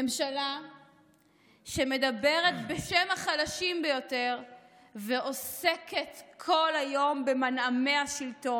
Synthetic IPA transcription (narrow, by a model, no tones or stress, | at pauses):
emʃala | ʃeme̞dabeʁet̪beʃemaχadaʃimbejo̞te̞ʁ | veʔo̞se̞ke̞tkʰo̞lajo̞mbe̞maname̞aʃilto̞n